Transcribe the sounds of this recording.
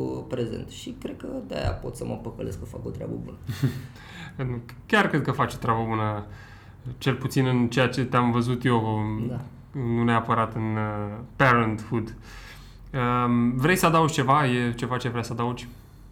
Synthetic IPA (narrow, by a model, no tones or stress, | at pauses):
pɾezḛnt̪ʃikɾed̪̚kəd̪a̰ja̰po̞t̪səməpəkəleskəfakot̪ɾʲea̰bəbunə | n | kʲarkɾed̪̚kəfat͡ʃo̥t̪ɾʲabəbunə | t͡ʃe̞lput̪sinɨnt͡ʃe̞jat͡ʃe̞t̪eamvəzut̪jeo | nuneapəɾat̪ɨnpeɾənt̪fud̪ | əvɾe̞jsəad̪aud͡ʒʲt͡ʃe̞vaje̞t͡ʃe̞vat͡ʃe̞vɾeasəad̪aud͡ʒʲ